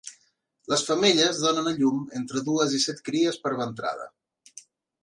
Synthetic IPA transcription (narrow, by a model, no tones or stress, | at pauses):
ləsfəmeʎəzðonənəʎument̪ɾəðuəzisɛt̪kɾiəspəɾβənt̪ɾa̰ðə̰